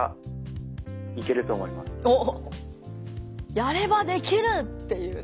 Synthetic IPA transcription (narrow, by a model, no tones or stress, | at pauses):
a̰ | ike̞ɾɯ̟t̪o̞ːmo̞ima̰sɨ̥oː | jaɾe̞βad̪e̞kʲiɾɯ̟t̪ːe̞jɯ̟ː